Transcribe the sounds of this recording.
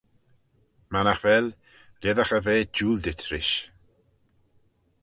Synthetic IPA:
manaxvɛl | lɛðaxəveːd͡ʒuːldɪtʰɾɪʃ

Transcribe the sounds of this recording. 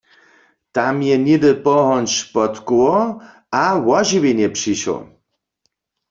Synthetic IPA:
t̪amjɛnɪdɨpɔɦɔnʃpɔt̪kowɔ | awɔʒiwenjɛpʂiʃɔ̰

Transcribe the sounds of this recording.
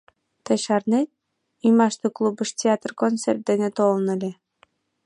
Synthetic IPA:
t̪ɤ̆ɕɑrnet̪̚ | ymɑʃt̪oklˠubə̆ʃtʲeat̪rkonsert̪̚d̪enet̪olnɤ̆lʲĕ

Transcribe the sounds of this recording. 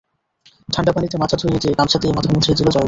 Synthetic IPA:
ʈʰaɳɖapanit̪emat͡ɕʰat̪ʰoɾied͡ʑekamʃʰat̪imat̪ʰamut͡ɕʰid͡ʑilot͡ɕɔ

